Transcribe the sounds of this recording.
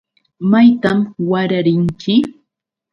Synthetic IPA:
majt̪amwaɾaɾɪŋt͡ʃɪ

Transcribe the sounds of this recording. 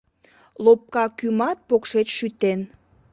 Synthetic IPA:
lop̚kɑkymɑt̪̚pokʃet͡ɕʃyt̪en

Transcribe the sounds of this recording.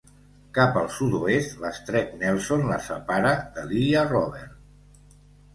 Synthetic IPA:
kapəlˠsut̪uest̪ləst̪ɾɛknɛlˠsonləsə̰paɾəðəliərɔβɛɾ

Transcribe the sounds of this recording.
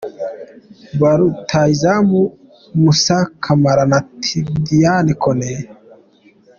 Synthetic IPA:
baɾut̪ʰaizamu | musakʰamaɾanat̪ʰid̪ijanikʰone

